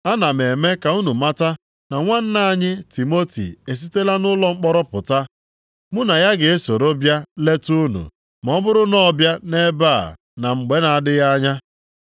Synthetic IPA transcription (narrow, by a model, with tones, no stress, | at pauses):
a˦na˨me˨me˦ka˨u˦nu˨ma˦ta˦ | na˨ŋʷa˦n̩˦na˦˨ɲɪ˦ti˨mo˦tḭ˨e˨s̬i˦te˦la˦nʊ˦lɔ˦ŋ͡m̩˦k͡pɔ˦ɾɔ˦pʊ˨ta˦ | mʊ˦na˨ja˦ɡe˨e˦so˨ɾo˦bja˦le˦tu˦nṵ˨ | m˨ɔ˦bʊ˦ɾʊ˦nɔ˦bja˦ne˦ba˦˨ | na˨ŋ͡m̩˨ɡ͡be˦na˨a˨dɪ˦ja˦ɲa˦